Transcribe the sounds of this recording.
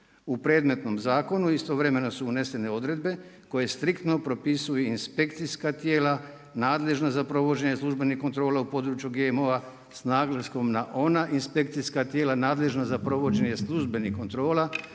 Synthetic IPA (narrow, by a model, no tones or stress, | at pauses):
upɾe̞d̪me̞t̪no̞mzaːko̞nuist̪o̞ʋɾe̞me̞nosuune̞se̞ne̞o̞d̪ɾe̞d̪be̞ | ko̞je̞st̪ɾikt̪no̞pɾo̞pisujeinspe̞kt̪siskat̪jeːla | naːd̪le̞ʒnazapɾo̞ʋo̞d͡ʑe̞ɲeslˠuʒbe̞nihko̞nt̪ɾo̞ːlaupo̞d̪ɾut͡ʃjuɡemo̞ʋa | snaːɡlasko̞mnaʔo̞naʔinspe̞k̚t̪siskat̪jeːlanaːd̪le̞ʒnazapɾo̞ʋo̞d͡ʑe̞ɲe̞slˠuʒbe̞nixko̞nt̪ɾo̞ːla